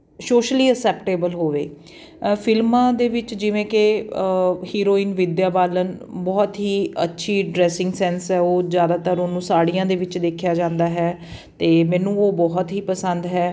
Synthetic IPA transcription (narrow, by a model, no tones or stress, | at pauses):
soːʃliːəsɛːpʈeːbəlɦoːʋḛː | pʰɪlmãːd̪eːʋɪt͡ʃd͡ʒɪʋẽːkɪ | hiːɾoːiːnʋɪd̪jaːbaːlənbɔːt̪ɦiːə̰tːʃʰiːɖɾɛːsɪ̃ŋɡsɛːnsɛːoːzjaːd̪aːt̪əɾoːnũːsaːɽijãːd̪eːʋɪt͡ʃd̪eːkʰjaːd͡ʒãːnd̪aːɦɛːt̪eːmɛ̃ːnũːoːbɔːɦt̪ɦiːpəsənd̪ɦɛː